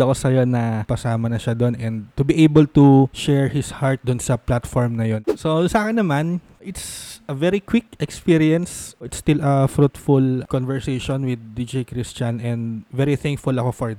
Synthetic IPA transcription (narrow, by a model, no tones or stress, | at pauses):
ɐkosɐjonɐkɐsaːmɐnɐʃad̪onɛnd̪̚t̪ʊbiʔejbɐlt̪uʃɛɹhɪshaɹt̪̚d̪ʊnsɐplat̪foɹmnɐjonsosaːkɐnɐman | ʔɪt̪sɐvɛɾikwɪk̚ɛkspiɹiɐnsɪt̪st̪ɪlɐfɾut̪fʊlkonvɛɹsejʃonwɪd̪̚ːid͡ʒejkɾɪst͡ʃɐnɛ̃nd̪vɛɹiθɛ̃ŋkfʊlɐko̞fɔɹ